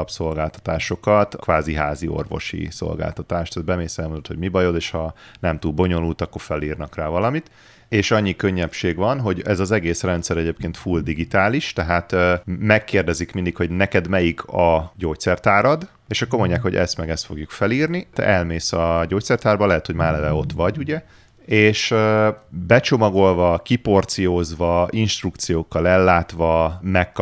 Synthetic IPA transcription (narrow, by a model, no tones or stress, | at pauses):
ɒpso̞lɡaːlt̪ɒ̥t̪aːʃo̞kɒt̪kʋaːziɦaːzio̞̰rvo̞̰ʃḭso̞̰lɡa̰ːlt̪ɒt̪aːʃt̪ːd̪bɛmeːsɛlmond̪ot̪ho̞ɟmibɒjo̞d̪eːʃhɒnɛmt̪ulbo̞ɲo̞nult̪ɒkːo̞rfɛliːrnɒkraːvɒlɒmit̪ | eːʃɒɲːikøɲːɛpʃeːɡvɒnɦo̞ɟɛzɒzɛɡeːsrɛnt̪sɛɾɛɟeːpkeːnt̪fuld̪iɡit̪aːliʃt̪ɛɦaːt̪mɛkːeːrd̪ɛzikmind̪ikho̞ɟnɛkɛd̪mɛjikʰɒɟoːct̪sɛrt̪aːɾɒd̪ | eːʃɒkːo̞rmo̞ɲɟːaːkhoɟɛ̰st̪mɛɡɛst̪fo̞̰ɡjukfɛliːrnit̪ɛ̰ʔɛlmeːsɒɟoːct̪sɛrt̪aːrbɒlɛɦɛt̪ho̞ɟmaːɾlɛvɛo̞t̪ʋɒɟuɟɛ | eːʃ | bɛt͡ʃo̞mɒɡo̞lvɒkipo̞rt̪sijoːzʋɒinʃt̪rukt̪sijoːkːɒlɛlːaːt̪ʋɒmɛkː